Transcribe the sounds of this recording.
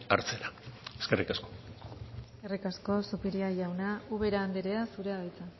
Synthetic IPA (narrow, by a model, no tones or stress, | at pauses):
a̰ɾt͡seɾaeskerikasko̥eskerikasko̞supiɾiaʝawnauβe̞ɾaːnd̪eɾeasuɾe̞aɣejt͡sa